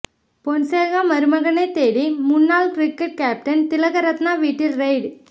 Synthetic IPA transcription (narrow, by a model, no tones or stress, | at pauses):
pɔnseːɣaːmɐɾɯmɐɣɐnɐɪt̪ːeːɽimʊnːaːlkɾɪkːɐʈ̚kaːp̚ʈɐnt̪ɪlɐɣɐɾɐt̪naːʋiːʈːɪlɾɐɪɖ